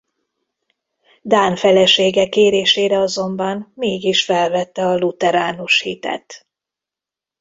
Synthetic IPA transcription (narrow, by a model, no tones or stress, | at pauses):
d̪aːnfɛlɛʃeːɡɛkːeːɾeːʃeːɾɛɒzo̞mbɒnmeːɡiʃfɛlvɛt̪ːɛɒlut̪ɛɾaːnuʃhit̪ɛ̰t̪